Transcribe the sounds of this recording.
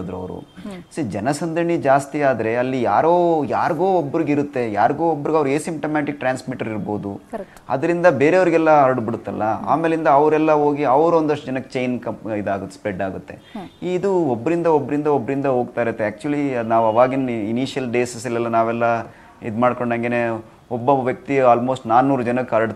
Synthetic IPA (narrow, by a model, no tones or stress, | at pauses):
d̪ɾuɐ̰ʋɾṵsid͡ʒɛnɐsɐnd̪ɐɳid͡ʒaːst̪iaːd̪ɾe̞ɐlːijaːɾoːjaːɾɡoːobːɐɾiɡiɾut̪ːe̞jaːɾɡoːobːɐɾiɡɐʋɾueːsimʈomaːʈik̚ʈɾaːnsmiʈɐɾiɾbo̞ːd̪u | ɐ̰d̪ɐɾind̪ɐbe̞ːɾeɐʋɐɾiɡɛlːɐɐɾɽbiɽut̪ːɐ̰lːɐa̰ːme̞ːlind̪ɐːʋɾɛlːɐɦoːɡiɐʋɐɾuond̪ɐʂʈɐd͡ʒɐnɐkːet͡ʃejnkɐid̪aːɡut̪ːespɾeɖaːɡut̪ːe̞̰iːd̪uobːɐɾind̪ɐobːɐɾind̪ɐobːɐɾind̪ɐɦoːɡ̚t̪aːjiɾut̪ːeæːk̚t͡ʃuɐlinaːʋuɐʋaːɡininiːʃjɐlɖeːsɐsilːɛlːɐnaːʋɛlːɐ | ḭd̪maːɖkoɳɖɐŋɡene | ɔbːɐʋjɐk̚t̪iaːlmoːsʈnaːnːuːɾd͡ʒɐnɐkːeɐɾɽ